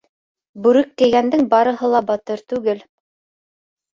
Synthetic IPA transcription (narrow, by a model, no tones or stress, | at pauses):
bʉɾɘk̪̚ːɘ̆jɡænd̪ɘŋbɑɾɤ̆ɦɤlˠɑbɑt̪ɤɾt̪ʉɡɘl